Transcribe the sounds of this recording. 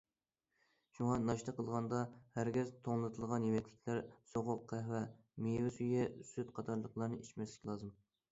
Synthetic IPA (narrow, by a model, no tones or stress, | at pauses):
ʃuŋɑnɑʃt̪əqəlˠʁɑnd̪ɑhæɾɡʲɛzt̪ʰoŋlˠɨt̪ʰɨlˠʁɑnjemɛkʰʲlʲɪ̥kʲʰlæɾsoʁʊqʰːæhwɛ | mewɪsyjɛsyt̪qʰɑt̪ʰɑɾlˠəqlˠɑɾnɨit͡ʃmɛslɪkʲʰlˠɑːzɨm